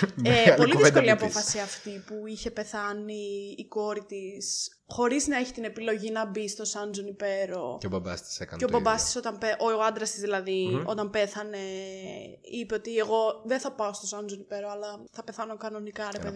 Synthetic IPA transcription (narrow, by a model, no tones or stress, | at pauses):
epo̞liðiisko̞liɐpo̞fɐsiɐft̪ipuiçe̞pe̞θɐniːko̞ɾit̪is | xo̞ɾiznɐe̞çi̥t̪ine̞pilo̞ʝinɐbist̪o̞sɐnd͡zonipe̞ɾo̞̰eobɐbɐ̰st̪i̥sekɐ̰neobɐbɐst̪i̥so̞t̪ɐmpeʔooɐnd̪ɾɐst̪izðilɐðio̞t̪ɐmpe̞θɐne̞ | ipe̞o̞t̪ieɣo̞ðenθɐpɐost̪o̞sɐnd͡zonipe̞ɾoɐlɐθɐpeθɐno̞kɐno̞nikɐɾepeði